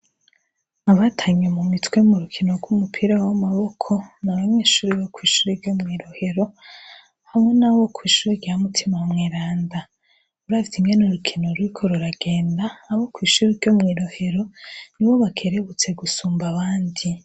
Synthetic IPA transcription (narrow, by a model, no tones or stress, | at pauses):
aβatʰaɲemumitwe̞muɾukʰino̞ɡɡwumupʰiɾawamaβokʰo̞naβaɲeːʃuːɾiβokwiːʃuɾiɾɟomŋiːɾo̞he̞ɾo̞ | hamŋe̞naβo̞kʰwiːʃuɾiɾɟamutʰimamŋeɾaːnda | uɾavjiŋɡe̞nuɾukʰino̞ɾwikʰo̞ɾuɾaɡe̞ːndaːβokwiːʃuːɾiɾɟomŋiːɾo̞he̞ɾo̞niβo̞βakʰe̞ɾe̞βut͡se̞ɡusuːmbaβaːndi